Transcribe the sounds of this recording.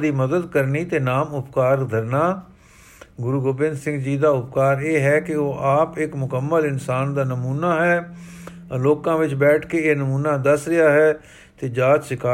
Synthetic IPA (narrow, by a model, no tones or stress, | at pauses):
d̪iːməd̪əd̪kəɾniːt̪eːnaːmʊpkaːɾd̪ʱəɾnaː | ɡʊɾuːɡoːbɪ̃nd̪sɪ̃ŋɡd͡ʒiːd̪aːʊpkaːɾeːɦɛːkɪoːʔaːpɪkmʊkəmːəlɪnsaːnd̪aːnəmuːnaːɦɛː | loːkãːʋɪt͡ʃbɛːʈʰkeːeːnəmuːnaːd̪əsɾɪjaːɦɛː | t̪eːd͡ʒaːt͡ʃ̪sɪkaː